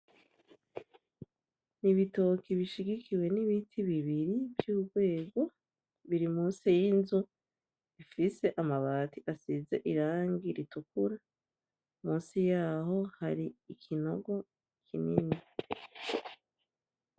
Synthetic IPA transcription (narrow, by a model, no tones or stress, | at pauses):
niβito̞kiβiʃiɡikʰiwe̞niβitʰiβiβiɾivjuːɡwe̞ːɡo̞ | βiɾimuːnsijinzu | ifise̞ʔamaβaːtiʔasize̞̰ʔiɾaːŋɡiɾitukuɾa | muːnsijaːho̞haɾiːkʰino̞ɡo̞ | kʰinini